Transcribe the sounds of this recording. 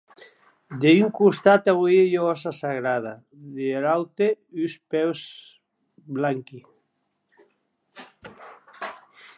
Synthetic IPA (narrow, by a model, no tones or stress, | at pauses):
d̪eyŋkust̪at̪aβiejoɔsasaɣɾaða | ðeeɾawt̪eyspɛws | blaŋki